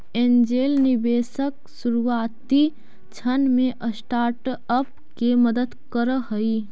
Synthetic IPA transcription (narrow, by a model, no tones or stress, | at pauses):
end͡ʒeːlnɪbeːsək | suɾuaːt̪i | t͡ʃʰənmẽʔəsʈaːɾʈəp̚ | keməd̪əd̪kəɾəɦəi